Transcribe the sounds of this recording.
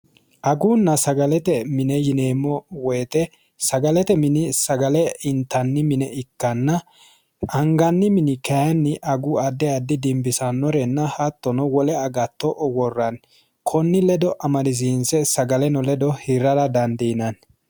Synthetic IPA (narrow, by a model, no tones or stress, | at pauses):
ʔɐɡuːnːɐsɐɡɐlɛt̪ɛmɪnɛjɪneːmːɔwɛːt̪ɛ | sɐɡɐlɛt̪ɛmɪnɪsɐɡɐlɛɪnt̪ːɐnːɪmɪnɛɪkːɐnːɐ | ɐŋɡɐnːɪmɪnɪkɛjɐnːɪʔɐɡʊɐd̪ːɛad̪ːɪd̪ɪmbɪsɐnːɔɾɛnːɐhɐt̪ːɔnɔwɔlɛɐɡɐt̪ːɔʔɔwɔrːɐn | kʰɔnːɪlɛd̪ɔʔɐmɐdɪz̬iːnsɛsɐɡɐlɛnɔlɛd̪ɔhɪɾːɐɾɐd̪ɐnd̪ɛnɐn